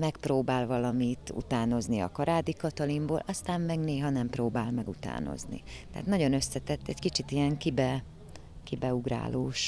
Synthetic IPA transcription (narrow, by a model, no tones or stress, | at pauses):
mɛkproːbaːlvɒlɒmit̪ṵt̪aːno̞zniɒ̰kɒɾaːd̪ikɒt̪ɒlimboːlʔɒst̪aːmmɛɡneːɦɒnɛmproːbaːlmɛɡut̪a̰ːno̞̰znḭt̪ɛa̰ːt̪nɒɟo̞nø̞sːɛt̪ɛt̪ːɛɟkit͡ʃit̪ijɛŋkibɛ | kibɛuɡra̰ːloːʃ